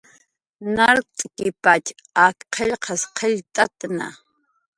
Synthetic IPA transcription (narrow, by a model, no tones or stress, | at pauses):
naɾt̪ʼkɪpat͡ʃ | akqʰeʎqʰɑsqʰeʎt̪ʼat̪na̰